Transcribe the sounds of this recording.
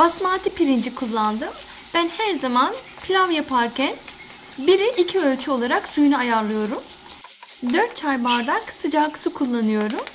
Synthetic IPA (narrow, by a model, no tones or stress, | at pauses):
basmaːt̪ʰipiɾind͡ʒikʰulˠːand̪ɯ | b̥ænhæɾzaman | pʰlʲavjapʰaɾcʰæn | biɾiʔːcʰiølʲt͡ʃʰyo̞lˠaɾaksujunaajaɾlˠɯjo̞ɾum | d̪øɾt̪̚t͡ʃʰajbaɾd̪aksɯd͡ʒaksukʰulˠːanɯjo̞ɾum